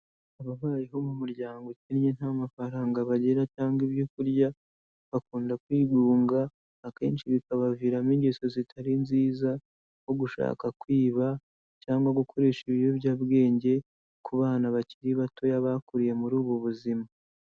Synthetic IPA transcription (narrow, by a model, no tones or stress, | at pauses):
aβaβaːje̞ɦo̞mumuɾɟaːŋɡo̞cinɲenhamafaɾaːŋɡaβaɟe̞ɾacaːŋɡiβbjo̞kuɾɟa | βakuːndakwiːɡuːŋɡaː | ke̞ːnt͡ʃiβikaβaviːɾamiɲɡeso̞zitʰaɾinziːza | ho̞ɡuʃa̰ːkakwiːβa | caːŋɡwaɡukʰo̞ɾe̞ːʃiβijoβɟaβɡe̞ːɲɟe̞ | kuβaːnaβaciɾiβato̞jaβakuɾije̞muɾuːβuβuzima